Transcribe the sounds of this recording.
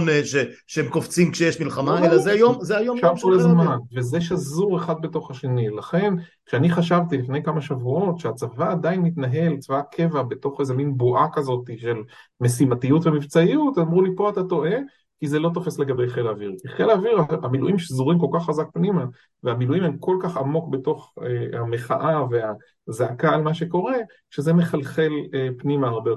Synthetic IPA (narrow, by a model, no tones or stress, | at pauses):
nʃe | ʃeemkoft͡simkʃejeʃmilχamaelazeajomzeajoʃavkolazmanve̞zeʃazuʁeχad̪̚beto̞χhaʃe̞nilaχe̞nkʃeaniχaʃavt̪ilifne̞jkamaʃavuo̞tʃeat͡savaːd̪ainːit̪naɦe̞lt͡savakʰe̞vabe̞to̞χezeminboʔakazo̞tiʃe̞lme̞simatijutvemivt͡saiutamʁulipo̞atato̞ʔe̞ | kizelo̞t̬o̞fe̞sle̞ɡabe̞jχelaviʁkiχe̞laviʁaamiluʔimʃezuʁimko̞lkaχːazak̚pnima | veamiluimhemko̞lkaχamo̞kbe̞to̞χeame̞χaʔavea | zaakaːlmaʃe̞ko̞ʁe̞ | ʃezeme̞χalχe̞lepnimaːʁbeo